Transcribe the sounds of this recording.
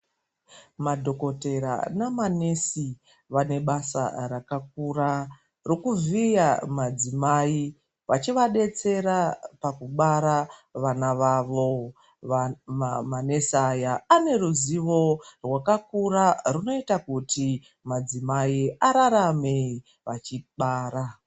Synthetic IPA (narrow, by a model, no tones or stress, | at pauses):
madʱo̞ko̞te̞ɾa̰namane̞si | ʋane̞ɓasa̰rakak̚ura | rokuvijamad͡zimai | ʋat͡ʃiʋaɗe̞t͡se̞ɾapakuɓaɾaʋanaʋaʋo̞ | mane̞sajaːne̞ruziʋo̞rwakakuraruno̞itakutʰi | mad͡zimaiaɾaɾame | ʋat͡ʃiɓaːra